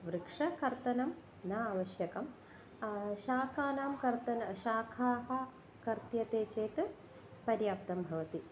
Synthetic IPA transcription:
ʋɾɨkʂɐkɐɾt̪ɐnɐm | nɐaːʋɐʃjɐkɐm | ʃaːkaːnaːmkɐɾt̪ɐnɐʃaːkʰaːɦɐ | kɐɾt̪jɐt̪eːt͡ʃeːt̪ɨ | pɐɾjaːp̚t̪ɐmbʱɐʋɐt̪i

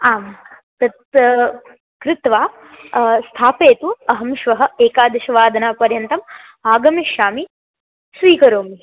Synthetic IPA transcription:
aːm | t̪ɐt̪ | kɾɪt̪ʋaː | st̪ʰaːpeːt̪uɐɦɐmʃʋɐɦɐ̆eːkaːd̪ɐʃɐʋaːd̪ʱɐnaːpɐɾjɐnt̪ɐm | aːɡɐmeʃaːmi | sʋiːkɐɾoːmi

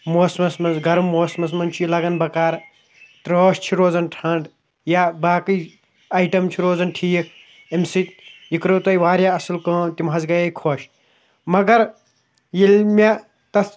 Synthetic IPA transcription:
moːsmɐsmɐnsɡɐɾmoːsmɐs̬mɐnt͡ʃʰujilɐɡɐnbɐkaːɾ | t̪ɾoːʃt͡ʃʰiɾoːd͡zɐnʈʰɐɳɖ | jabaːkɨj | ɐjʈɐmt͡ʃʰiɾoːzɐnʈʰiːk̚ʰ | emsit̪jikɾoːt̪ɐjʋaːɾjaɐsɨlkɐ̃ːt̪imɦɐzɡɐjɐjkʰoʃ | mɐɡɐɾ | jilmʲa | t̪ɐs

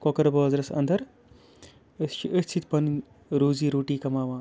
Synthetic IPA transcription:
kɔkɐɾbɐːzɾɐsɐ̰nd̪ʱɐɾ | st͡ʃʰiʔəst͡ʃʰit̪pɐn | ɾuːziːɾuːʈiːkɐmaːʋãː

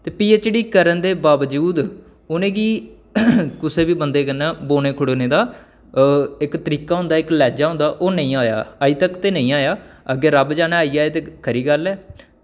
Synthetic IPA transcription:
t̪eːpiːeːt͡ʃeɽiːkəɾənd̪eːbaːʋəd͡ʒuːd̪ | ʊnẽːɡiː | kʊseːbiːbənd̪eːkənːãːboːɽ̃eːkʰʊɽoːnẽːd̪aː | ɪkt̪əɾiːkaːɦʊ̃nd̪aːɪklɛːd͡ʒaːɦʊ̃nd̪aːʔoːnə̃ĩːaːja̰ːaːiːt̪əkt̪eːnə̃ĩːaːjaːəɡeːɾəbd͡ʒaːnãaːiaːeːt̪eːkʰəɾiːɡəlɛː

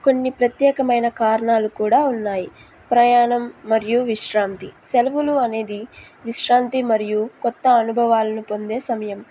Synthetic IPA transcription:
ko̞nːipɾɐt̪jɛːkɐmɐjnɐkaːɾɐɳaːlukuːɽaːunːaːji | pɾɐjaːɳɐmːɐɾijuʋiʃɾaːnt̪iselɐʋuluɐne̞ːd̪i | ʋiʃɾaːnt̪imɐɾijukɔt̪ːɐːnubʱɐʋaːlɐnupo̞nd̪e̞ːsɐmɐjɐm

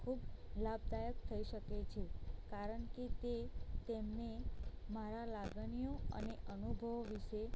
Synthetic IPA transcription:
kʰublab̚d̪ajək̚t̪ʰəiʃəket͡ʃʰekaɾəɳket̪et̪emnemaɾalaɡɳijoə̰neʔənubʱəʋʋiʃe

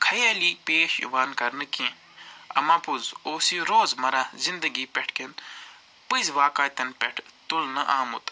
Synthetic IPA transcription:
kʰɐjaːliːpeːʃʋaːnkɐɾnɨkẽ | ɐ̰mãːpuzoːsiɾoːzmɐɾaːzind̪əɡipʲɛʈʰken | pɨzʋaːkaːt̪ɐnpʲɛʈʰt̪ulnɐʔaːmut̪

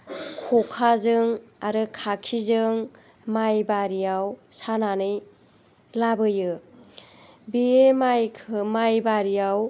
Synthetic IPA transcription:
kʰɔkʰazɯŋaɾɯkʰakʰizɯŋ | majbaɾijawsananɯj | labɯjɯ | biemajkʰɯmajbaɾijaw

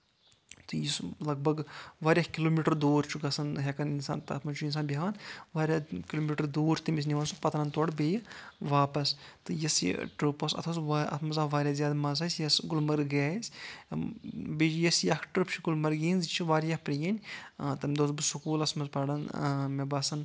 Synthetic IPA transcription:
t̪ɨjislɐɡ̚bɐɡʋaːɾjakiloːmiːʈɐɾd̪oːɾt͡ʃʰuɡɐsɐnɦʲekɐninsa̰ːnt̪ɐɐt̪mɐnt͡ʃʰuins̬aːnbʲiɦaːnʋaːɾʲaːkiloːmiːʈɐɾd̪uːɾt̪imis̬nʲiʋaːnsupɐt̪ɾɐnt̪oɽbʲejʋaːpɐst̪ɨjɐsʈɾupɐsɐ̰t̪ʰɐsʋaɐ̰t̪ʰmɐzaːʋaːɾʲjaːzʲjaːd̪mɐzaːsʲjɐsɡulmɐɾɡaːsʲ | bid͡ʒjɐsjakʰʈɾpt͡ʃʰuɡulmɐɾɡʲiːnzt͡ʃʰiʋaːɾjapɾijɐnʲt̪ɐmd̪oːzbɨsukuːlɐsmɐzpɐɽɐnmebɐːsɐn

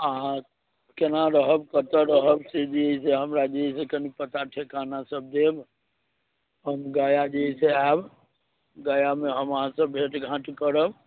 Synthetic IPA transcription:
ã | kenaɾəɦəbkət̪əɾəɦəbsed͡ʒiiseɦəmɾad͡ʒeisekənipət̪aʈʰekanasəb̚d̪eb | ɦəmɡaːjad͡ʒeiseab | ɡaːjameɦəmaãsəbʱeʈɡʱãʈkəɾəb

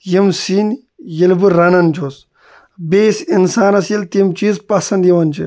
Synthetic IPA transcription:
jimsiːn | jɐlbɨɾɐnɐnd͡ʒʰoːs | beːsinsaːnɐsjɐlt̪imt͡ʃiːzpɐsɐnd̪jiʋɐnt͡ʃʰi

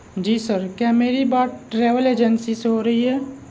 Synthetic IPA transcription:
d͡ʒiːsəɾkjaːmeːɾibaːt̪̚ʈɾeːʋəleːd͡ʒənsiseɦoɾɐɦiɦɛː

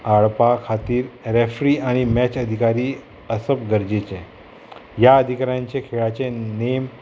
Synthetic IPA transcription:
aɭpakʰat̪iːɾɾefɾiːaɽ̃imɛt͡ɕəd̪ʱikaɾiː | əsəpɡəɾd͡ʑet͡ɕẽ | jaəd̪ʱikaɾjãɲt͡ɕekʰeɭat͡ɕenem

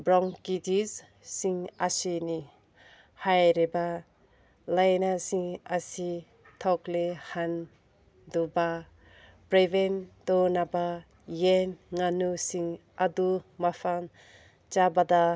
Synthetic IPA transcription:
bɾɔŋkitiz | siŋasini | hajɾiba | lajnasiŋasi | t̪ʰɔklehan | duba | pɾebent̪onaba | jenŋanusiŋ | ad̪umapʰan | t͡ʃabad̪a

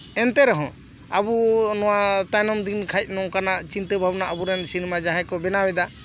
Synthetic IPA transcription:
ɛnt̪ɛɾɛɦɔ̃ | abunɔwat̪ajnɔmd̪inkʰajc̪̚ˀnɔkanaʔt͡ʃint̪əbʱabnaʔabuɾɛnsinimad͡ʒaɦɛ̃kɔbɛnabɛd̪a

